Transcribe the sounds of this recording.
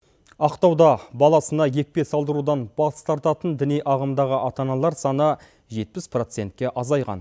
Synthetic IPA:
ɑqt̪ɑwd̪ɑbɑlˠɑsənɑje̞k̚ʲpe̞sɑlˠd̪əɾud̪ɑnb̥ɑst̪ɑɾt̪ɑt̪ənd̪ɪnijʔɑʁəmd̪ɑʁəʔɑt̪ɑnɑlˠɑɾsɑnə | ʒe̞t̪̚pɪspro̞t̪se̞nt̪̚kʲe̞ʔɑzɑjʁɑ̰n

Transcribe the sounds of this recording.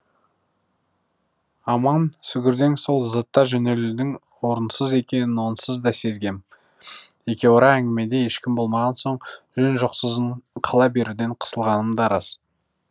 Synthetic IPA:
ɑmɑnsʏɡʲɪɾd̪e̞ŋso̞lˠzət̪ːɑʒɵne̞lɪd̪ɪŋ | wo̞ɾənsəze̞kʲe̞nɪnwo̞nsəzd̪ɑse̞zɡʲe̞m | e̞kʲe̞woɾɑæŋɡʲɪme̞d̪e̞jeʃkʲɪmbo̞lˠmɑʁɑnso̞ɴʒɵnʒoqsəzɴqʰɑlˠɑbe̞ɾud̪e̞ɴqʰə̥səlˠʁɑnəmd̪ɑɾɑs

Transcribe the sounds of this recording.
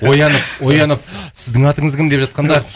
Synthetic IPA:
wo̞jɑnəp̚wo̞jɑnəp̚sɪzd̪ɪŋɑt̪əɴəzkʰʲɪmd̪e̞pʒɑt̪̚qɑnd̪ɑɾ

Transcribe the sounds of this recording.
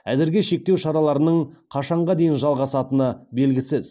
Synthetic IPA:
æzɪɾɡʲeʃe̞k̚t̪e̞wʃɑɾɑlˠɑɾənəɴqʰɑʃɑɴʁɑd̪e̞jɪnʒɑlˠʁɑsɑt̪ənəbe̞lɡʲɪsɪz̥

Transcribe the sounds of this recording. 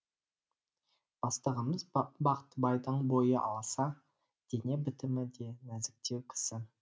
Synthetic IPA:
b̥ɑst̪əʁəməzbɑqt̪bɑjd̪əɴbo̞jəʔɑ̰lˠɑsɑ | d̪̥ene̞bɪt̪ɪmɪd̪e̞næzɪk̚t̪e̞wkʲʰɪ̥sɪ

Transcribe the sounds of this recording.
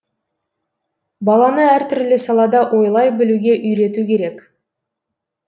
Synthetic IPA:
bɑlˠɑnəæɾt̪ʰʏɾlɪsɑlˠɑd̪ɑʔwʔo̞jlˠɑjbɪluɡʲe̞ʔʏjɾe̞t̪ukʲʰe̞ɾe̞k

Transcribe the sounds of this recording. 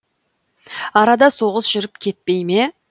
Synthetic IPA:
ɑɾɑd̪ɑso̞ʁəsʒ̥ʏɾɪp̚kʲʰe̞t̪̚pe̞jme̞

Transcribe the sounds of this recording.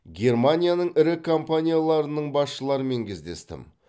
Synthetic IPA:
ɡʲe̞rmanʲijanəɴɪɾɪkʰo̞mpanʲijalˠɑɾənəɴbɑsʃəlˠɑɾəme̞ŋkʲʰezd̪e̞̰st̪ɪ̰m

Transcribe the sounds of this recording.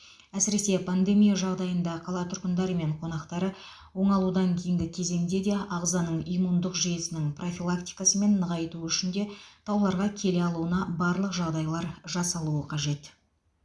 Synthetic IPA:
æsɪɾe̞se̞pʰand̪e̞mijaʒɑʁd̪ɑjənd̪ɑqʰɑlˠɑt̪ʰʊɾqənd̪ɑɾəme̞ɴqʰo̞nɑqt̪ɑɾə | wo̞ɴɑlˠud̪ɑŋkʲʰe̞jɪŋɡʲɪkʲʰe̞ze̞ŋd̪e̞d̪e̞ʔɑʁzɑnəɴijmund̪əqʒijesɪnɪŋpro̞fʲilˠakt̪ijkasəme̞nːəʁɑjt̪uʏʃɪnd̪e̞t̪ʰɑwlˠɑɾʁɑkʲʰe̞le̞ɑlˠuənɑbɑɾlˠəqʒɑʁd̪ɑjlˠɑɾʒɑsɑlˠuəqʰɑʒe̞t̪

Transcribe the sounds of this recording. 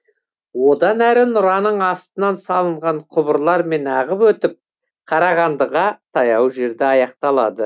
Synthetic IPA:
wo̞d̪ɑnæɾɪnʊɾɑnəɴɑst̪ənɑnsɑlˠəɴʁɑɴqʰʊbəɾlˠɑɾme̞nɑʁəpwɵt̪ɪp̚ | qʰɑɾɑʁɑnd̪əʁɑt̪ʰɑjɑwʒe̞ɾd̪ɪɑjɑq̚t̪ɑlˠɑ̰d̪ə

